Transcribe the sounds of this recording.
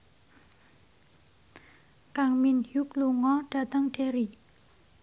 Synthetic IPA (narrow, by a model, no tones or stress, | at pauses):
kaŋminjukluŋɔɖ̥a̤t̪əŋɖ̥e̤ɾi